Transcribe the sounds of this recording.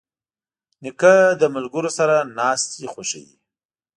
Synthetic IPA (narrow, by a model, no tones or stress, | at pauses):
nɪkad̪əmʊlɡəɾosaɾanɑst̪ixoʃa̰jḭ